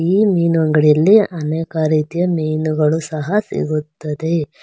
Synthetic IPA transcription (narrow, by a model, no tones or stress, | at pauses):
iːmiːnʋɐŋɡɐɭjɐlːiɐneːkɐɾiːt̪ijɐmejnuɡɐɭusɐɦɐsḭɡut̪ːɐd̪e̞